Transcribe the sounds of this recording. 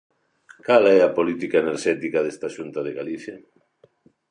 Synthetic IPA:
kalɛapolit̪ikaeneɾʃɛt̪ikaðest̪aʃunt̪aðeɣaliθja

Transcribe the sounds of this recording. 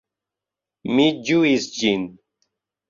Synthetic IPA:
mid͡ʑuist͡ɕin

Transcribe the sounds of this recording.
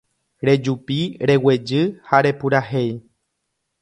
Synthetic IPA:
ɾe̞d͡ʒupiɾe̞we̞d͡ʒɨhaɾe̞puɾahe̞j

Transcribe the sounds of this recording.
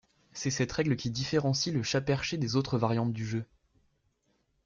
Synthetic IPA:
sɛsɛt̪ʁɛɡləkʲid̪ifeʁɑ̃siləʃapɛʁʃed̪ezot̪χəvaʁjɑ̃t̪d̪yʒø

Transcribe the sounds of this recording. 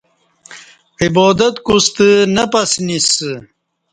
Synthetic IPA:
ibɔːd̪ɐt̪kust̪ənɐpɐsnis

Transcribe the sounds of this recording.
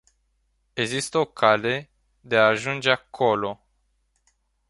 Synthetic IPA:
e̞ɡzist̪əo̞kʰale̞ | d̪e̞aːʒund͡ʒeakʰo̞lo̞

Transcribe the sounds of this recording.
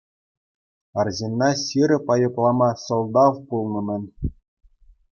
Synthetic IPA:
ɑrʑenːɑɕiɾʲɘ̆pɑjɤ̆plˠɑmɑsŏlˠd̪ɑʋpulˠnɤ̆mʲɘ̆nʲ

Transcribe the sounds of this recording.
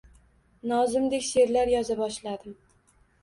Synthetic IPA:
nɒzɪmd̪ekʲse̞ɾlaɾjɒzabɒʃlad̪ɪm

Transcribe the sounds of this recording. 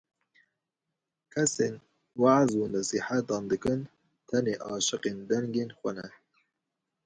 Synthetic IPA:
kʰɛseːn | wɑʕzuːnɛsiːħat̪ɑːnd̪ɨkɨn | t̪ʰɛneːʔɑːʃɨqeːnd̪ɛŋɡeːnxʷɛnɛ

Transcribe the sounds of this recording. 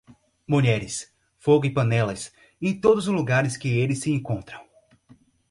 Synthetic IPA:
muʎɛɾɪs | foɡʊɪpɐ̃nɛlɐs | ẽj̃t̪od̪ʊzʊzluɡaɾɪskɪelɪsɪẽŋkõnt̪ɾɐ̃w̃

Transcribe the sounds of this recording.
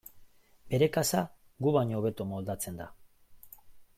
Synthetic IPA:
be̞ɾe̞kasa | ɡuβaɲo̞ːβe̞t̪omo̞ld̪at͡se̞nd̪a

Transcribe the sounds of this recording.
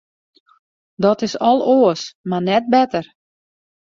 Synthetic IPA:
dɔtɪsɔlˠoːəsmarnɛt̚bɛtər

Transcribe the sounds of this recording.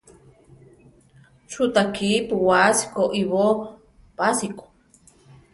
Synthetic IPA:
t͡ʃʰut̪akiːpuwasi̥koʔiβo | pasiko̥

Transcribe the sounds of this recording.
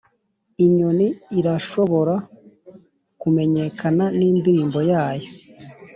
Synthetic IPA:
iɲoniːɾaʃo̞βo̞ɾa | kume̞ɲe̞kʰananiːndiɾiːmbo̞jaːjo̞

